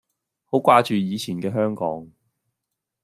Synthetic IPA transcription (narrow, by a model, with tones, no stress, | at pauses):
ho˨˥kʷaː˧t͡ʃyː˨jiː˨˧t͡sʰiː˨˩nkɛː˧ɦœː˥ŋkɔ̰ː˨˥ŋ